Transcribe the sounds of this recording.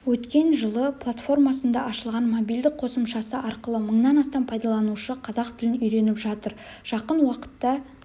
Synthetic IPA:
wɵt̪kʲe̞nʒəlˠəpʰlˠat̪fo̞rmɑsənd̪ɑʔɑʃəlˠʁɑnmobijld̪ɪk̚qʰo̞səmʃɑsəʔɑɾqəlˠəməɴnɑnɑst̪ɑmpʰɑjd̪ɑlˠɑnuʃəqʰɑzɑq̚t̪ʰɪlɪnʏjɾe̞nɪpʒɑt̪əɾ | ʒ̥ɑqənwɑqə̥t̪ːɑ

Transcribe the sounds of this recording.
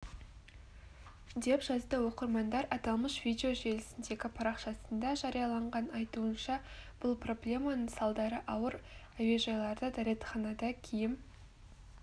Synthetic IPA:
d̪e̞pʒɑzd̪əwo̞qəɾmɑnd̪ɑɾʔɑt̪ɑlˠməʃv̥ʲijd̪ʲeo̞ʒe̞lɪsɪnd̪e̞ɡʲɪpʰɑɾɑqʃɑsənd̪ɑʒɑɾijɑlˠɑɴʁɑnɑjt̪uənʃɑb̥ʊlˠpro̞blʲe̞mɑnəɴsɑlˠd̪ɑɾəʔɑwəɾ | æwe̞ʒɑjlˠɑɾd̪əd̪æɾe̞t̪χɑnɑd̪ɑkʲʰejɪm

